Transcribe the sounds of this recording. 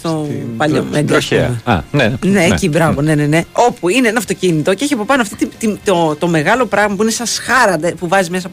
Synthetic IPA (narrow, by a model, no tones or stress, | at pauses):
st̪opɐʎomeɡɾoçḛɐ̰ɐɐ̰neneːcibɾɐvone̞ne̞ne̞o̞puineenɐft̪o̞cinit̪o̞ceçiɐpo̞pɐnoɐft̪it̪it̪it̪ot̪o̞me̞ɣɐlo̞pɾɐɣmɐpuinesɐsxɐɾɐd̪epuvɐzimes̬ɐ